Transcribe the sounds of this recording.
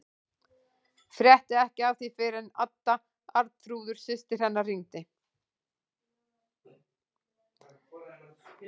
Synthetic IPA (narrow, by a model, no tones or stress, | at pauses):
fɾjɛht̪ɪɛhcɪavθifɪːɾɪna̰t̪ːa | aɾt̪θɾuːðʏɾ̥sɪst̪ɪɾ̥hɛnːariŋt̪ɪ